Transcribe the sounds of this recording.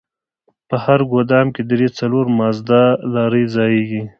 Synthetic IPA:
pəhaɾɡod̪ɑmked̪ɾet͡saloɾmɑzd̪alɑɾəjzɑjeɡi

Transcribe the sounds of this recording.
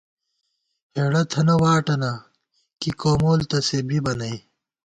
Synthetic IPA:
heːɽɐt̪ʰɐnɐwaːʈɐna | kikoːmoːlt̪ɐsebibɐnɐj

